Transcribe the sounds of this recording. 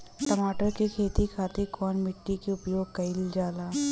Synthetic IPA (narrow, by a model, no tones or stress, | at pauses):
ʈɐmaːʈəɾkekʰeːt̪ikʰaːt̪ekɔːnmɪʈːikeʊpjoːɡ̚kɐɪld͡ʒaːlaː